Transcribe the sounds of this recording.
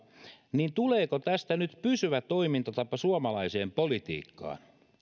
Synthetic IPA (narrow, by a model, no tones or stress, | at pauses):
niːnt̪uleːkot̪æst̪ænyt̪pysyʋæt̪oimint̪ɑt̪ɑpːɑsuɑmɑlɑiseːmpolit̪ḭːkːɑ̰ːn